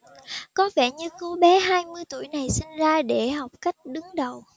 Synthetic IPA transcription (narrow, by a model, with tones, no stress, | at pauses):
kɔ˨˦vɛ˧˩ɲɨ˧ko˨˦ɓɛ˨˦ɦaː˧jmɨ˧əjt̪u˧˩əjna˨˩jsï˧ŋ̟zaː˧ɗe˧˩ɦa˨˩wk͡p̚ka˦˥jk̟̚ɗɨ˨˦ŋɗə˨˩w